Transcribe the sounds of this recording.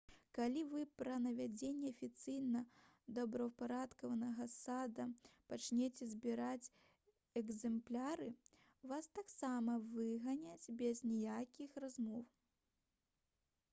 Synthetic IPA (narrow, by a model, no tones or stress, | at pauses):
kalʲivɨpɾɐnɐvʲad͡zʲenʲːɛɐfʲit̪sɨjnɐ | d̪ɐbɾɐwpaɾat̪kɐvɐnɐɣɐsad̪ɐpat͡ʂnʲet͡sʲɛzʲbʲiɾat͡sʲ | ɛɡzɛmplʲaɾɨ | vast̪aksamɐvɨɣɐnʲat͡sʲbʲɛznʲɛjakʲixrazmɔw